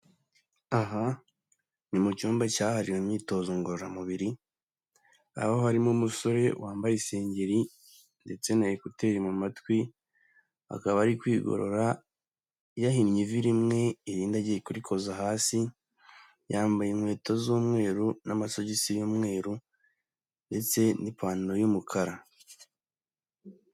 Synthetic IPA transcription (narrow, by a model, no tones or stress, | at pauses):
aɦa | nimucuːmbacaːhaɾiwemɲiːto̞ːzoŋɡoɾoɾamuβiɾi | a̰aohaɾimomuso̞ɾe̞wʔaːmbajise̞ːɲɟe̞ɾi | nde̞t͡se̞najekute̞ːɾimumatwi | a̰kaβaɾikwiːɡo̰ɾo̞̰ɾa | jahimɲiviɾimŋe̞iɾiːndaɟijekuɾikʰo̞zaɦaːsi | jaːmbajemwe̞ːtozuːmŋe̞ːɾunamaso̞ɟisijoːmŋe̞ːɾu | nde̞t͡se̞nipʰaːnojumukʰaɾa